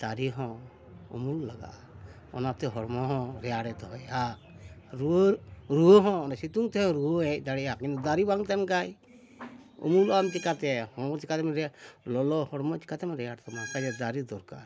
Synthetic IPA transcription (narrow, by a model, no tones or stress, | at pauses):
d̪̥aɾiɦɔ̃ | ɔ̰mullaɡa̰ʔ | ɔ̰nat̪ɛɦɔɽmɔɦɔ̃ɾɛaɽɛt̪ɔɦɔja | ɾuoɾuoɦɔ̃ɔnasit̪uŋt̪ɛɦɔ̃ɾuoɛ̃t̚d̪aɽɛakint̪ud̪aɾibaŋt̪ɛmkaj | ɔ̰mulamt͡ʃikat̪ɛhɔ̃t͡ʃikat̪ɛmɾɛlɔlɔhɔɽmɔt͡ʃi̥kat̪ɛmɾɛjaɽt̪ɛmakad͡ʒɛd̪aɾid̪ɔɾka̰ɾ